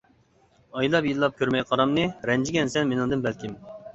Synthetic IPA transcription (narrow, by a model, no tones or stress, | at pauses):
ɑjlˠɑpjilːˠɑp̚kʲʰøɾmɛjqʰɑɾɑmnɨɾɛnd͡ʒiɡʲɛnsɛnmenɪŋd̪ɨnbɛlkʲim